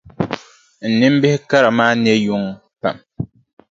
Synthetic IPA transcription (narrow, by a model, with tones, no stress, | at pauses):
n̩˨nɨ˦m˦bɪ˦hɪ˦ka˦ɾa˨maː˦nɛ˦ju˦ŋ | pa̰˨m